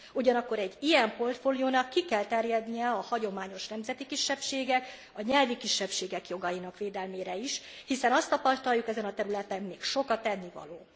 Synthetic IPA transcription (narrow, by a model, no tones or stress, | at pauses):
uɟɒnɒkːo̞ɾɛɟːijɛmpo̞rt̪foːlijoːnɒkːikɛlt̪ɛrjɛd̪nijɛɒhɒɟo̞maːɲo̞ʃnɛmzɛt̪ikiʃːɛpʃeːɡɛk | ɒɲɛlvikiʃːɛpʃeːɡɛkjo̞ɡɒjinɒkʋeːd̪ɛlmeːɾɛiʃ | hisɛnɒst̪ːɒpɒst̪ɒjukɛzɛnɒt̪ɛɾylɛt̪ɛmːeːkʃo̞kɒt̪ɛnːivɒ̰loː